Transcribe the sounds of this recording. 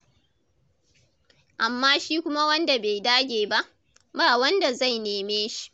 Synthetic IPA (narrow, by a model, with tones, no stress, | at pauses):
ʔa˨mːaː˦ʃiː˦kʷʊ˦ma˦wɐ˦nda˨be˨jdaː˦ɡʲeː˨ba˦ʔ | baː˦˨wɐ˦nda˨za˦˨jneː˨meː˦ʃi̥˦